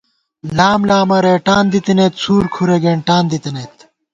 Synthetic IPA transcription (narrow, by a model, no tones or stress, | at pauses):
laːmlaːmɐɾeːʈaːnd̪it̪ineːt̪sʰuːɾkʰuɾeɡeɳʈaːnd̪it̪inet̪